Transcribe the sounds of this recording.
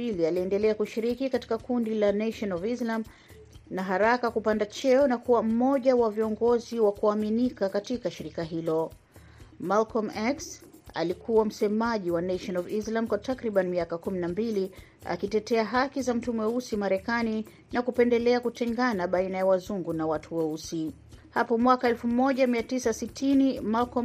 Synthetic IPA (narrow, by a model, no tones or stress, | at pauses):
ilialiɛndɛlɛakuʃiɾikikati̥kakundilanaʃɔnɔvislam | naɦaɾakakupandat͡ʃɛɔnakuwam̩mɔʄawaviɔŋɡɔziwakuaminikakatikaʃiɾikaɦilɔ | malkɔmɛksa̰likʰuwam̩sɛmaʄiwanɛʃɔnɔvislamkwatakɾiɓanimiakakuminambili | a̰kitɛtɛaɦakizam̩tumɛusimaɾɛkani | nakupɛndɛlɛakutɛŋɡanaɓainajawazuŋɡunawatʰuwɔusi | hapɔmwakaɛlfumɔʄamiatisasitʰinimalkɔ